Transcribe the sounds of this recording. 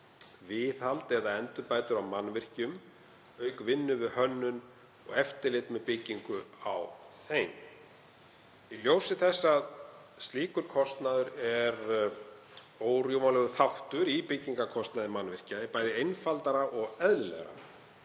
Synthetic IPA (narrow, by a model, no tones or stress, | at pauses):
vɪːθhalt̪ɛðaɛnt̪ʏɾpaːjt̪ʏɾawmanvɪr̥cʏm | œːɥkvɪnːʏvɪðhœnːʏn | ɔɣɛft̪ɪlɪt̪mɛðpɪcːiŋkʏawθejm | iljowsɪθɛsːað | st̪liːkʏɾkʰɔst̪naðʏɾɛɾ | oːwrjowvanlɛɣʏθawht̪ʏɾipɪcːiŋkakʰɔst̪naðɪmanvɪr̥capaːjðɪejnfalt̪aɾaʔɔɣɛðlʏlɛ̰ɣaɾa̰